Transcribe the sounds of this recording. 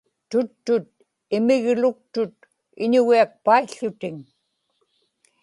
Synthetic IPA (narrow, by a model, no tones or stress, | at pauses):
t̪ʊt̪ːʊt̪̚ | ɪmɪɣlʊk̚t̪ʊt̪̚ | ɪɲʊɣiak̚paiɬːʊt̪ɪŋ